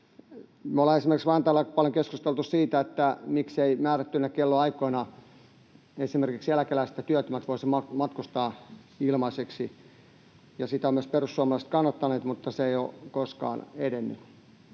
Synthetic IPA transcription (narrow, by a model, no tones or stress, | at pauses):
meoleesimerkiksʋɑint̪æːlːæpɑljoŋkeskust̪elt̪ussiːt̪æet̪ːæmikseimæːræt̪ːynːækelːoɑikoinɑ | esimerkiksjælækelæist̪æt̪yøt̪ymæt̪ʋoisimɑmɑt̪kust̪ɑː | ilmɑiseksi | jɑsit̪æomyøsperusːuɑmɑlɑˑiset̪kɑnːɑt̪ːɑneːt̪mut̪ːɑseijo̰koskɑ̰ːnedenːy̰